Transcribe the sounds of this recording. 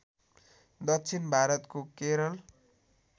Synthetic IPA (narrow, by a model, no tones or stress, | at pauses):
d̪ʌk̚t͡sʰinbʱaɾʌt̪kokeɾʌl